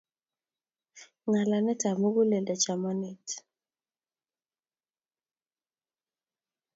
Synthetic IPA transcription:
ŋa˨la˨nɛ˦ta˨mo˦ɡu˦le˨da˨t͡ʃa˨mɔ˦nɪ˨t

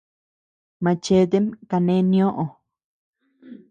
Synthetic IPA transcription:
mã˧t͡ʃe˧d̪e˦mka˧nẽ˦nj̃õ˦ʔõ˨

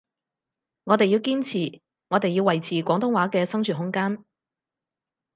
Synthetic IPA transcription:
ŋɔː˨˧t̪e˨jiː˧wkiː˥nt͡sʰiː˨˩ | ŋɔ˨˧t̪e˨jːiː˧wːɐ˨˩jt͡sʰiː˨kʷɔː˨˥ŋt̪ʊ˥ŋwaː˨˥kɛː˧sɐ˥ŋt͡ʃʰyː˨˩ɦʊ˥ŋkaː˥n

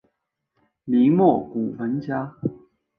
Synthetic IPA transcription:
li˧˦mwɔ˥˩ku˨˩fə˧˦nt͡ɕja˦˥

